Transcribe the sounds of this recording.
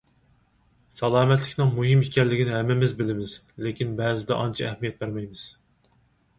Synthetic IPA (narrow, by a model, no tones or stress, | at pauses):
sɑlˠɑːmɛt̪lɪkʲnɨŋmuɦɪmikʲɛlːɪɡʲinɪɦɛmːɪmɪzbɪlɪmɪz | lekʲinbɛːzɪd̪ɛʔɑnt͡ʃʰɑɛhmijɛt̪̚bæɾmɛjmɪz̥